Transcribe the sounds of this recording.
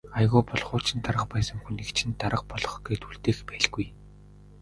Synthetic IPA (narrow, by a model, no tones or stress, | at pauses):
aj̆ɣʊːpɔɮχʊːt͡ɕʰɪ̆nt̪aɾə̆qpæːsə̆ŋxunːekt͡ɕʰɪ̆nt̪aɾə̆q̚pɔɮɞ̆χɡeːt̪uɮt̪eːxpæːɮɡuj